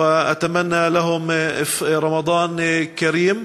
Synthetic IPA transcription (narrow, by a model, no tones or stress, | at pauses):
aʔat̪amanːalaɦʊmfɾˤɑmɑd̪ˤɑːnkaɾiːm